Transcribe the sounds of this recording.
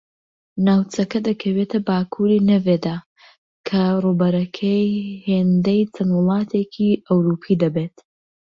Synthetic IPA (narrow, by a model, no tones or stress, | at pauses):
naːwt͡sʰɐkɐd̪ɐkʰɐwet̪ʰɐbaːkʰuɾiːnɐved̪aː | kʰɐruːbɐɾɐkʰɐjheːnd̪ɐjt͡sʰɐnwʊlˠɑːt̪ʰeːkʰiɐwɾupʰiːd̪ɐbeːt̪